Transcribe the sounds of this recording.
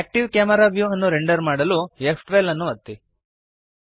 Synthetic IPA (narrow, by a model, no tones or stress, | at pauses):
æːk̚ʈiʋkaːmɐɾaːʋjuɐnːuɾeɳɖɐɾmaːɽɐluepʰʈʋelɐnːuʋɐt̪ːi